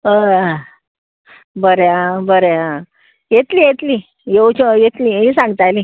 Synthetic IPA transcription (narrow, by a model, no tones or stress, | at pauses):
ə | bəɾeãbəɾeã | jet̪liːjet̪li | jewt͡ɕɔjet̪liːɦisãŋɡt̪ajli